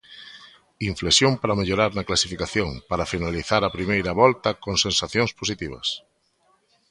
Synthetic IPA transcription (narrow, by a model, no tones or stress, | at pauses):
iɱflesjompaɾameʎoɾaɾnɐklasifikaθjoŋpaɾafinaliθaɾapɾimejɾɐβɔlt̪ɐkoŋsẽnsaθjoŋspos̬it̪iβ̞ɐ̰s